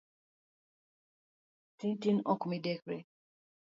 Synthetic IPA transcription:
sintinɔkumidekɾe

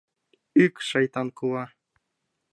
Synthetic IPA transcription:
ykʲʃɑjt̪ɑnkuwɑ

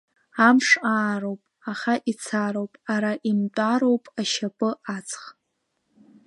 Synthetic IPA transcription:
amʂaːrowpʼaχaʔit͡sʰaɾowpʼaɾaʔimtʷʼaɾowpʼaʃapʼɨʔat͡sʰʼχ

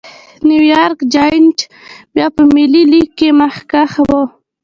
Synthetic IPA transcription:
nuwjɑɾkd͡ʒajnt͡ʃ | bjɑpəmililiɡkemaxkaxabo

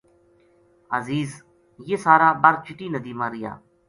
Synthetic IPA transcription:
əziːz | jeːsaːɾaːbaɾt͡ʃɪʈiːnəd̪iːmaːɾɪja̰ː

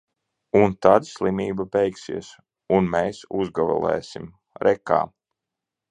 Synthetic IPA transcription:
unt̪ad̪sʲlˠimiːbabɛjksḭɛs | unmeːsuzɡavɛ̰lˠɛ̰ːsim | ɾʔɛka̰ː

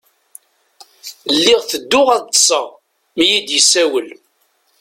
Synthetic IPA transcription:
lːɪʁθəd̪ːʊʁæðsˤə | mijid̪jəsæwəl

